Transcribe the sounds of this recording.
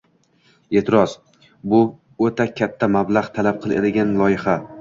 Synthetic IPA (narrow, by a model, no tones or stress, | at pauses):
e̞t̪ʰɪɾɒz | bʊ | ot̪ʰakʲʰat̪ʰːamablaʁt̪ʰalap̚qʰɨlˠḛd̪ɪɡʲanlˠɒjɪχa